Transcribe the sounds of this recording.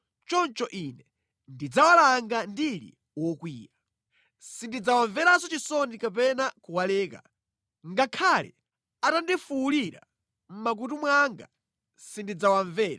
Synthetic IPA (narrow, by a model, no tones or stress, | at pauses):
t͡ʃɔnt͡ʃɔʔinɛ | ndid͡zawalaŋɡandilḭ | wɔkwiːja | sindid͡zawaɱvɛɾasɔt͡ʃisɔnikap̬ɛnakuwalɛːka̰ | ŋɡakʰalɛ̰ | atandifuuliɾa̰ | m̩mak̬utumwaŋɡa̰ | sindid͡zawaɱvɛːɾa